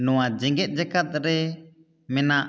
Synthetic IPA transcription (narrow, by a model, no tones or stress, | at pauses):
nɔwad͡ʒɛŋɡɛt̪̚ˀd͡ʒakat̪̚ɾɛ | mɛnaʔ